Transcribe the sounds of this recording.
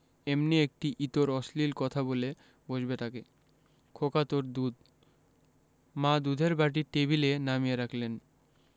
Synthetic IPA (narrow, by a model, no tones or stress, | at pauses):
emniek̚ʈiʔit̪oɾɔslilkɔt̪ʰabole | bod͡ʑbet̪ake | kʰokat̪oɾd̪ud̪ | mãd̪ud̪ʱeɾbaʈ̬iʈeβilenamieɾakʰlen